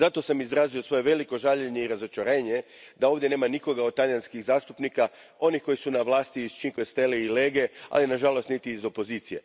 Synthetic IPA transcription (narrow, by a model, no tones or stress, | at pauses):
zat̪o̞samizɾaːzio̞sʋo̞je̞ʋe̞liko̞ʒaʎeɲeiɾazo̞t͡ʃaɾe̞ːɲe̞d̪ao̞ʋd̪je̞ne̞ːmaniko̞ɡad̪̚t̪aʎjanskiɣzaːst̪upnikao̞nixko̞jisunaʋlaːst̪iiz̥t͡ʃiŋkest̪eliile̞ːɡe̞a̰linaʒalo̞st̪nit̪iːzo̞po̞ziːt̪sije̞̰